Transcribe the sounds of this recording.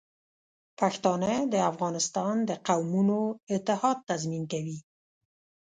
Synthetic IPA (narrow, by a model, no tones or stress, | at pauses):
paxt̪ɑnad̪əafɣɑnɪst̪ɑnd̪əqawmunoɪt̪ɪhɑd̪̚t̪ːazminkawi